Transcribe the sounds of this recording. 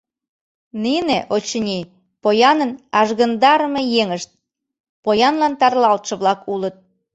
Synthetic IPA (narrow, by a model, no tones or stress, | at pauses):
nineʔot͡ɕənʲi | pojɑnənɑʒɣə̆nd̪ɑɾəmejeŋəʃt̪̚ | pojɑnlɑnt̪ɑrlɑlt̪ʃə̆βlɑkʰulət̪̚